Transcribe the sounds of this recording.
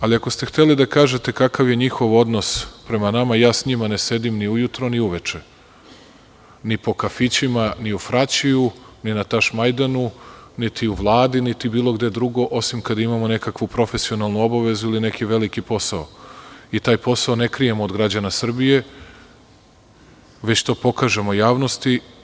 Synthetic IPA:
aliako̞st̪e̞xt̪e̞lid̪akaːʒe̞t̪e̞kakaʋje̞ɲixo̞ʋo̞d̪no̞spɾe̞manamajaːsɲimane̞se̞d̪imniujut̪ɾo̞niuʋet͡ʃe | nipo̞kafit͡ɕimaniufɾat͡ɕiju | ninat̪aʃmajd̪anunit̪iuʋlˠaːd̪init̪ibiːlˠo̞ɡd̪e̞d̪ɾuɡo̞ʔo̞simkad̪aimamone̞kakʋupɾo̞fe̞sio̞nalˠnuo̞baʋe̞zuiline̞kiʋe̞likipo̞saoit̪aːjpo̞saone̞kɾije̞moːd̪ɡɾad͡ʑanasr̩bije̞ | ʋe̞t͡ɕt̪o̞ːpo̞kaʒe̞mo̞jaːʋno̞st̪i

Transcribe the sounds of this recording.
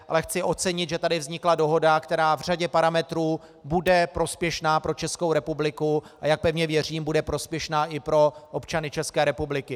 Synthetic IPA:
ʔa̰lɛxt͡sɪʔo̞t͡sɛɲɪt̪ʒɛt̪adɪvzɲɪklado̞ɦo̞dakt̪ɛɾaːvr̝aɟɛpaɾamɛt̪ɾuː | budɛpɾo̞spjɛʃnaːpɾo̞t͡ʃɛskowɾɛpublɪkuʔajak̚pɛvɲɛvjɛr̝iːmbudɛpɾo̞spjɛʃnaːʔɪpɾo̞ʔopt͡ʃanɪt͡ʃɛskɛːɾɛpublɪkɪ

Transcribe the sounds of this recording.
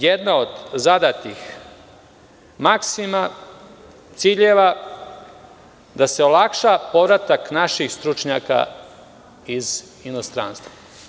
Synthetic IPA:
jed̪nao̞d̪zad̪at̪ix | maksima | t̪siːʎeʋa | d̪ase̞olˠakʃapo̞ʋɾat̪aknaʃixst̪ɾut͡ʃɲaka̰ | iz | ino̞st̪ɾa̰ːnst̪ʋa

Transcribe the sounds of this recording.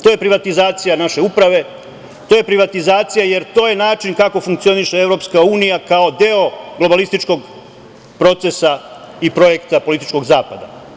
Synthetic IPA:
t̪oje̞pɾiʋat̪izaːt̪sijanaʃe̞upɾaʋe̞ | t̪oje̞pɾiʋat̪izaːt̪sijaje̞ɾt̪o̞ːje̞naːt͡ʃinkako̞fuŋkt̪sio̞niʃeevɾo̞pskauːnijakao̞d̪e̞o̞ɡlˠo̞balist̪it͡ʃko̞ɡ | pɾo̞t̪sesa | ipɾo̞je̞kt̪apo̞lit̪i̥t͡ʃko̞ɡzaːpad̪a̰

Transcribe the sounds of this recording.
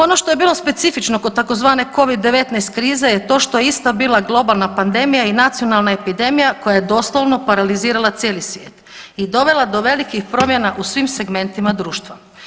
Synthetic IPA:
o̞no̞ʃt̪ojebiːlˠo̞spe̞t̪sifit͡ʃno̞ko̞d̪̚t̪ako̞zʋaːne̞ko̞ʋid̪ːe̞ʋe̞t̪najst̪kɾiːzejet̪o̞ːʃt̪ojeist̪abiːlˠaɡlˠo̞balˠnapand̪e̞mijainat̪sio̞nalˠnae̞pid̪e̞mijako̞jajed̪o̞ːslˠoʋno̞paɾaliziːɾalˠat̪sjeːlisʋʲjeːt̪id̪o̞ʋe̞lad̪o̞ʋe̞likixpɾo̞mje̞naʔusʋimse̞ɡme̞nt̪imad̪ɾuːʃt̪ʋa

